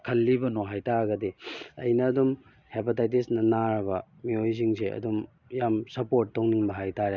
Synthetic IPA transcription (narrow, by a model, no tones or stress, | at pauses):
kʰɐlːibɐnoɦajtaɡɐdiɐ̰jnɐːdum | hepitajtisnɐnaɾɐbɐ | miojsiŋseɐ̰dum | jamsɐpoɾtːɐwniŋbɐɦajtaɾe